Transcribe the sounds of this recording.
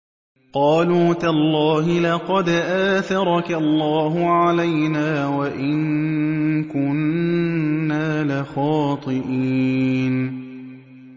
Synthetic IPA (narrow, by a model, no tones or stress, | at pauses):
qɑːluːt̪alˤːɑːɦɪlɑqɑd̪ʔaːθɑɾˤɑkalˤːɑːɦʊʕalajnaːwaʔɪŋ | kʊnnː | aːlɪxɑːt̪ˤɨʔiːn